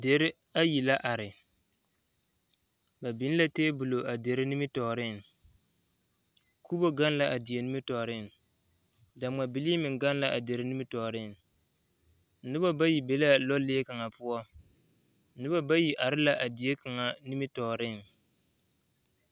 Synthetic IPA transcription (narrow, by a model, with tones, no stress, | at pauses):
de˨ɾɪ˦ | a˦ji˨la˦ʔa˨ɾɪ˨ | ba˨bɪ˦n˦la˦teː˦bu˨lo˨ʔa˨de˨ɾɪ˦ni˦mɪ˦tɔː˨ɾɪ˦˨n | kʰu˦bo˦ɡa˦n˦la˨ʔa˨dɪ˨e˨nɪ˦mɪ˦tɔː˨ɾɪ˦˨n | da˨ma˨bɪ˨liː˦mɪ˨ɡa˦nla˨ʔa˨de˨ɾɪ˦nɪ˦mɪ˦tɔː˨ɾɪ˦˨n˦ | nɪ˦ba˦ba˦ji˨be˨˦la˦lɔ˦lɪː˦ka˨ŋa˨pʊ˦ɔ˦ | ɪ˦ba˦ba˦ji˨ʔa˨ɾɪ˦la˨ʔa˨dɪ˨je˦ka˨ŋa˨ni˦mɪ˦tɔ˨ɾɪ˦˨n